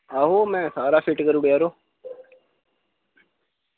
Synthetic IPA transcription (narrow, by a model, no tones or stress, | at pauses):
aːɦoːmɛ̃ːsaːɾaːfɪʈkəɾuːɽjaːɾoː